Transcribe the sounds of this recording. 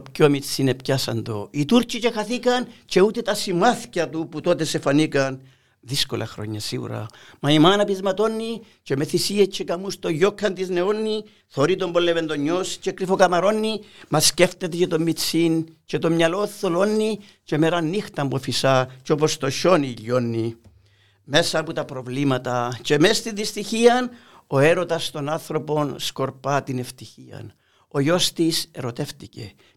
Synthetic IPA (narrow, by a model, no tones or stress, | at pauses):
pcomit͡sːinepcasɐ̰nd̪o̞̰it̪uɾcit͡ʃe̞xaθikɐnt͡ʃe̞ut̪et̪ɐsimɐθcɐt̪uput̪o̞t̪e̞sefɐnikɐn | ðisko̰lʔɐ̰xɾo̞̰ɲːɐsḭɣṵɾɐ̰ | mɐimanɐpizmɐt̪o̞nːi | t͡ʃeme̞θisiet͡ʃekɐmust̪o̞ʝokʰːɐnt̪izne̞onːi | θoɾit̪ombolevend̪oɲːost͡ʃekɾifokɐmɐɾo̞nːimɐsceft̪et̪et͡ʃet̪o̞mːit͡since̞t̪o̞mɲɐloθːolo̞nːi | ce̞meɾɐnːixt̪ɐmbofisɐt͡ʃo̞po̞st̪o̞ʃo̞niʎːo̞nːi | me̞sɐput̪ɐpɾo̞vlimɐt̪ɐce̞mest̪inðist̪içiɐn | o̞e̞ɾo̞t̪ɐst̪o̞nɐnθɾo̞po̞nsko̞ɾpɐt̪ine̞ft̪içiɐ̰n | o̞jo̞st̪ise̞ɾo̞t̪e̞ft̪ice̞̰